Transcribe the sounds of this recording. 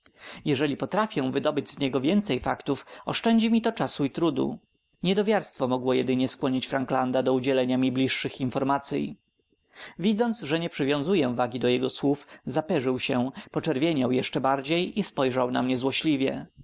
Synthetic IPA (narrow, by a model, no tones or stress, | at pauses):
jɛʐɛlʲipɔt̪ɾafʲɛ̃vɘd̪ɔbɘd͡ʑzɲɛɡɔvʲjɛnt̪sɛjfakt̪ufɔʂt͡ʂɛɲd͡ʑimʲit̪ɔt͡ʂasuit̪ɾud̪ṵ | ɲɛd̪ɔvʲjaɾst̪fɔmɔɡwɔjɛd̪ɘɲɛskwɔɲit͡ɕfɾaŋɡland̪ad̪ɔud͡ʑɛlɛɲamʲiblʲiʂːɘxinfɔɾmat̪sʲjḭ | vʲid̪zɔnt̪sʐɛɲɛpʂɘvʲjɔ̃zujɛvaɡʲid̪ɔjɛɡɔswufzapɛʐɘwɕɛpɔt͡ʂɛɾvʲjeɲawjɛʂt͡ʂɛbaɾd͡ʑejispɔjʐawna̰mɲɛzwɔɕlʲivʲjɛ̰